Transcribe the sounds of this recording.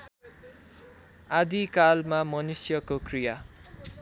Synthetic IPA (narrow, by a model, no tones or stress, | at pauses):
ad̪ikalmamʌnusjʌkokrija